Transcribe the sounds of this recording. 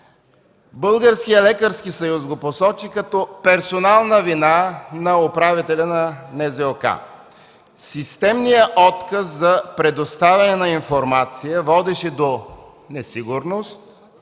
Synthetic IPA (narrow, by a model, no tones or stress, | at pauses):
bɤlˠɡəɾsk̟ijəlɛkəɾskisɐjusɡoposɔt͡ʃikɐt̪ɔpɛɾsonalˠnəvinanɐopɾavit̪ɛlʲɐnɐnɛzɛoka̰ | sist̪ɛmnijəʔɔt̪kəszɐpɾɛd̪ost̪avʲɐnɛnɐinfoɾmat̪sijəvɔd̪ɛʃɛd̪o | nɛsiɡʊɾnost̪̚